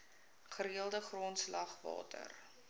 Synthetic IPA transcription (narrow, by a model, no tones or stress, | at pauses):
χəɾiəlˠdəχrontslɐχvɑ̰ːtə̰r